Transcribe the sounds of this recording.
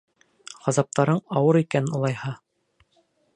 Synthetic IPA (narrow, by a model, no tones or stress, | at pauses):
ʁɑzɑp̚t̪ɑɾɤɴɑwɤɾikænɘnŏlˠɑjhɑ